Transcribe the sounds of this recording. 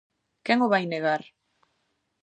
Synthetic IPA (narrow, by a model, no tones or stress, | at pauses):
keŋoβajneɣaɾ